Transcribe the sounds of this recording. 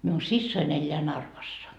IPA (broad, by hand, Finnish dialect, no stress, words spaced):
miun sisːoin elʲːeæ nɑrʋɑsːɑ